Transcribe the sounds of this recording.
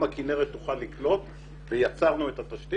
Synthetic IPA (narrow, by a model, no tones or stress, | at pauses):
makine̞ʁet̪ːuχalːiklo̞t̪ | vejat͡saʁnue̞t̪at̪aʃt̪i